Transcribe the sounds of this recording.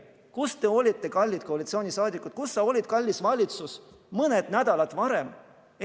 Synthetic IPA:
kust̪e̞o̞lʲit̪ːe̞kɑlʲːit̪koɑlit̪sio̞ːnʲisɑːd̪ikːˑut̪̚kusːɑo̞lʲid̪̥̚kɑlʲːisvɑlʲit̪sus | mɤne̞d̪̥næd̪ɑlɑd̪̥vɑɾe̞m

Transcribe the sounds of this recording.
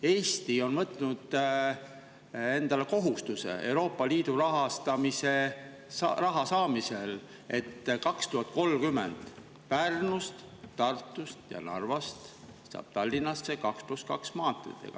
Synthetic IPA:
e̞ːst̪io̞nmɤt̪ːˑnud̪̥ | e̞nd̪̥ɑleko̞ɦust̪use̞̰e̞̰uɾo̞ːpːˑɑliːd̪̥uɾɑɦɑst̪ɑmise̞ | rɑɦɑsɑːmise̞l | e̞t̪ːkɑkst̪uɦɑt̪̚ːˑko̞lkymḛnd̪̥ | pærnust̪ | t̪ɑrt̪ːˑust̪jɑ̰nɑ̰rvɑst̪ | sɑ̰ːb̥̚t̪ɑlʲːinːɑsːe̞kɑkspluskɑksmɑːt̪ːˑrḭt̪ːˑḛɡ̥ɑ̰

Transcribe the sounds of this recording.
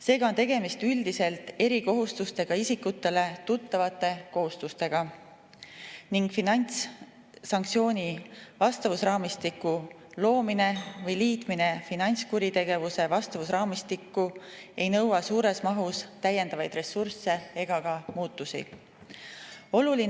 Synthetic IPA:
se̞ːɡ̥ɑo̞nt̪e̞ɡe̞mist̪yld̪ise̞lt̪ˑe̞ɾiko̞ɦust̪ust̪e̞ɡ̥ɑisikːut̪ːˑe̞le̞t̪ut̪ːɑvɑt̪ːˑe̞ko̞ɦust̪ust̪e̞ɡ̥ɑ | niŋɡ̥finɑnʲt̪s | sɑŋk̚t̪sio̞ːnʲivɑst̪ɑvusrɑːmist̪ikːˑu | lo̞ːmine̞vɤjliːt̪mine̞finɑnʲt̪skuɾit̪e̞ɡe̞vuse̞vɑst̪ɑvusrɑːmist̪ikːˑue̞jnɤ̞wɑsuːɾe̞smɑɦust̪æjend̪ɑvɑjd̪̥re̞sːurse̞e̞ɡ̥ɑkɑmuːt̪ːusḭ | o̞lulin

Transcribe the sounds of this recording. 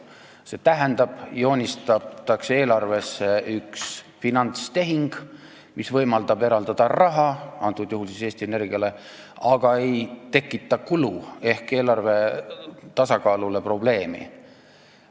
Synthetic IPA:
se̞t̪æɦend̪̥ɑb̥jo̞ːnʲist̪ɑt̪ɑkse̞ːlɑrve̞sːeyks | finɑnt̪st̪e̞ɦiŋɡ̥ | misvɤjmɑld̪̥ɑbe̞ɾɑld̪̥ɑd̪̥ɑrɑɦɑɑnt̪ːˑud̪̥juhulsiseːst̪iene̞rɡ̥ijɑle̞ | ɑɡ̥ɑe̞jt̪e̞kːit̪ˑːɑkulue̞hke̞ːlɑrve̞ | t̪ɑsɑkɑːlule̞pro̞ble̞ːmḭ

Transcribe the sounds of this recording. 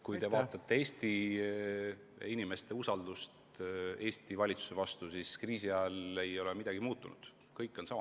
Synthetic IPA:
kujt̪e̞vɑːt̪ːˑɑt̪ːe̞e̞ːst̪i | inime̞st̪e̞usɑld̪̥ust̪e̞ːst̪ivɑlʲit̪su̥se̞vɑst̪usiskriːsiɑɑle̞jo̞lemid̪ɑɡ̥imuːt̪ːˑunṵd̪̥ | kɤjkːˑo̞nsɑmɑ

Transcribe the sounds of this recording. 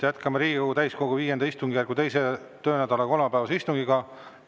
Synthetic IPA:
jæt̪kɑmɑɾiːɡ̥ikoɡut̪æjsko̞ɡ̥uviːjend̪ɑist̪uŋɡijærkut̪e̞jse | t̪ø̞ːnæd̪ɑleko̞lmɑpæevɑseist̪uŋɡiɡ̥ɑ

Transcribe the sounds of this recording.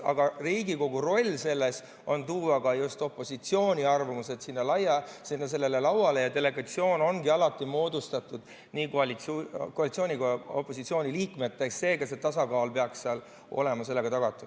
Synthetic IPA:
ɑ̰ɡ̥ɑriːɡiko̞ɡ̥uro̞lʲːse̞lːe̞s | o̞nt̪uːɑɡɑjust̪o̞pːˑo̞sit̪sio̞ːnʲiɑrvɑmuse̞d̪sinːɑlɑjːɑsinːɑs̬e̞lːelelɑwɑle̞jɑt̪e̞le̞ɡ̥ɑt̪sio̞ːno̞nɡiɑlɑt̪ːˑimo̞ːd̪ust̪ɑt̪ud̪̥ | niːkolikoɑlit̪soːnʲikoo̰pːˑo̞sit̪sio̞ːnʲiliːkme̞t̪ːˑeksːe̞ːkɑset̪ɑsɑkɑːlpe̞ɑksːeɑl | o̞̰le̞mɑse̞lːeɡ̥ɑt̪ɑɡ̥ɑt̪ːˑu

